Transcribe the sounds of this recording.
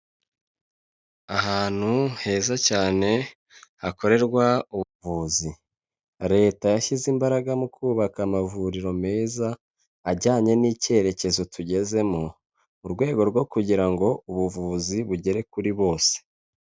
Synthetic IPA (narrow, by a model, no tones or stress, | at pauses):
aɦaːn̥huhe̞ːzacaːne̞ | hako̞ɾe̞ɾɡwauβuvuːzi | ɾe̞ːtajaʃizimbaɾaɡamukʰuːβakamavuɾiɾo̞me̞ːzaː | ɟaːɲe̞nice̞ːɾe̞ce̞zo̞tʰuɟe̞ze̞mo | uɾɡwe̞ːɡo̞ɾɡwo̞kuɟiɾaŋɡo̞uβuvuːziβuɟe̞ɾe̞kuɾiβo̞ːse̥